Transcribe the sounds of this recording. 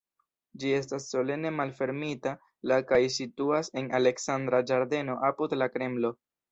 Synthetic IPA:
d͡ʒie̞stasːo̞le̞ne̞malfe̞ɾmita | lakajsituase̞nale̞ksand̪ɾad͡ʒaɾde̞no̞ʔapudlakɾe̞mlo̞

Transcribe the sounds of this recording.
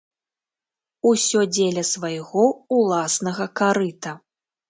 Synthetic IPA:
usʲɔd͡zʲelʲɐsvɐjɣɔulˠasnɐɣɐkaɾɨt̪ɐ

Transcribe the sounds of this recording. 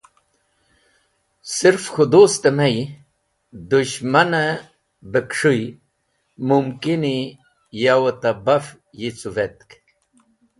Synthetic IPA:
siɾfxud̪ost̪emɐj | d̪uɕmɐna | bekʂuj | mumkini | jawɐt̪abɐf | jit͡suvet̪̚k

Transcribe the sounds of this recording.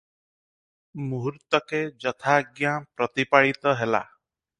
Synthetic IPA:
muɦuɾt̪ɔked͡ʒɔt̪ʰaɡjapɾɔt̪ipaɭit̪ɔɦela̰

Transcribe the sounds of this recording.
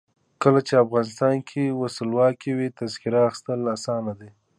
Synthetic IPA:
kəlat͡ʃeafɣɑnɪst̪ɑnkʰewasəlwɑkewit̪azkɪɾaːxɪ̥st̪əlasɑnad̪e

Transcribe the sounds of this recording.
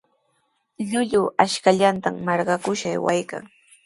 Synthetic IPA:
ʎʊʎʊaʃkaʎant̪amːɑɾɢɑkʊʃajwajka̰ŋ

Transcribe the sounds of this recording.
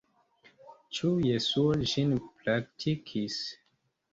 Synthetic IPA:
t͡ʃujesuɔʒinplak̚tʰikʰis

